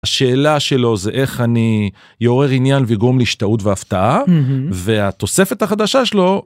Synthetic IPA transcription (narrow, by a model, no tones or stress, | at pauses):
aʃe̞ːlaʃe̞lo̞zeʔe̞χani | jeoʁe̞ʁinjanveiɡʁomleiʃtaut̪veaft̪aʔave̞at̪o̞se̞fe̞t̪haχad̪aʃaʃelo̞